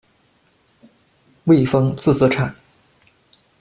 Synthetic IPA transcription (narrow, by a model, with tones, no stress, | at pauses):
we˥˩ɪfɤ˥ŋt͡sɹ̩˥˩t͡sɤ˧˥ʈ͡ʂʰa˨˩˦n